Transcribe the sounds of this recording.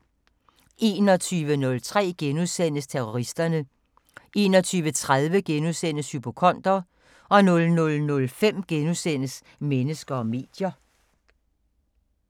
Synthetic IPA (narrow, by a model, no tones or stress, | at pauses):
ʔe̝ːnɒ̽t͡sʰyːʋənɔ̽lt͡sʰʁɛ̰ːɡ̥enuðˠsen̰əst͡sʰeʁoʁisd̥ɐnə | ʔe̝ːnɒ̽t͡sʰyːʋət͡sʰʁað̞ˠʋəɡ̥enuðˠsen̰əshypʰo̝kʰɒ̽n̰d̥ɐ | ɒ̽nɔ̽lnɔ̽lnɔ̽lfem̰ɡ̥enusen̰əs | menəsɡ̥ɐɒ̽me̝̰ːd̥jɐ